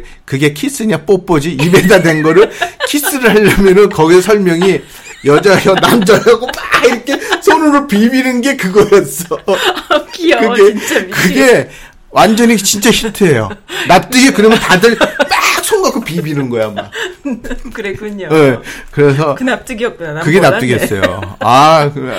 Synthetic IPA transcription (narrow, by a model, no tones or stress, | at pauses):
kɯɡe̞kʰis͈ɯɲap͈op͈ʌd͡ʑiibe̞dadwe̞nɡʌɾɯɭkʰis͈ɯɾɯɭhaʎːamjʌnɯnkʌɡisʰesʰʌɭmjʌŋi | jʌd͡ʑajʌnamd͡ʑʌɾaɡoaiɾʌkʰe̞sʰonuɾɯɭpibinɯnɡe̞kɯɡʌjʌs͈ʌ | kɯɡekɯɡe̞ | wʔand͡ʑʌɲit͡ɕint͡ɕ͈açitʰɯejo̰nap̚t͈ɯɡikɯɾʌmjʌntadɯɭpak̚s͈ʰoŋɡakʰopibinɯnɡʌjama | kjekɯɾe̞sʰʌt͈kɯɡe̞nap̚t͈ɯɡes͈ʌ̰jo̰ak